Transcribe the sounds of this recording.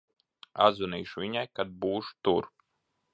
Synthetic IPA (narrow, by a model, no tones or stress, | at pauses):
a̰d̪zuniːʃuvʲiɲajkad̪̚buːʃu̥t̪uɾ